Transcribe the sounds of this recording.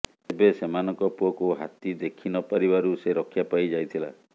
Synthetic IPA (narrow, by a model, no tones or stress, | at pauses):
ebesemanɔŋkɔpuɔkuɦa̰t̪id̪ekʰinɔpaɾibaɾuseɾɔkʰːjapajd͡ʒajt̪ʰila̰